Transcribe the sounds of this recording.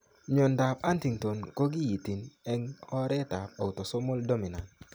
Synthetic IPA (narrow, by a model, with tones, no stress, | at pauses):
ɲɔ˨nda˨pa˦nti˨ŋto˨nko˦ɡi˦ji˨ti˨nɛ˦ŋɔ˦ɾɛ˦ta˨p̚a˨u˨to˨so˦mo˦ldo˦mi˨na˨nt